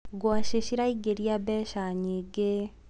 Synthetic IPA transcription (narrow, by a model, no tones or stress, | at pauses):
ɡwaʃeʃiɾaiɡeɾiabɛʃaɲeɡe